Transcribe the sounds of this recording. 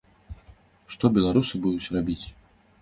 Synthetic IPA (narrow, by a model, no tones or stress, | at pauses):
ʂt̪ɔbʲɛlˠaɾusɨbud̪ut͡sʲrabʲit͡sʲ